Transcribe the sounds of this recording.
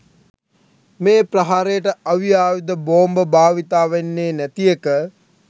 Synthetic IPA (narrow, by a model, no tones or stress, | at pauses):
meːpraɦaːɾejəʈəɐʋiaːʋid̪əboːmbəbʱaːʋit̪aːʋenːeːnæt̪ijekə